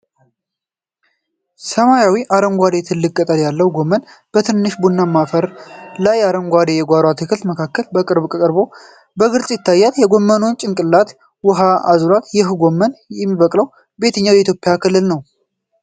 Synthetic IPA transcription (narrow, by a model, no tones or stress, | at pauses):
səmajawiʔaɾəmɡʷad̪e̞t̪ʰɨlːɨk̚ʼkʼət̪ʼəljalːəwɡo̞mːən | b̥ət̪ʰɨnːɨʃbunːamːafəɾlajaɾəmɡʷad̪ejɛɡʷaɾat̪ʰɨkʰɨlt̪məkʰakːəlbəkʼɨɾbkʼəkʼɨɾbo̞ | bəɡɨɾsʼjɪt̪ʰːajːat̪jɛɡo̞mːəno̞nt͡ʃʼɪŋkʼɨlːat̪ | wʊɦaazulat̪jɪɦɡo̞mːənjɛmːiβəkʼləw | be̞t̪ʰəɲːawjɛit̪jo̞pʼɪjakʰɨlːɨlnəw